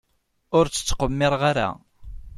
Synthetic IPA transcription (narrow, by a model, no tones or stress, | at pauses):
ʊɾt͡sːə̥t͡sːqəmːɪɾˤʁaɾa̰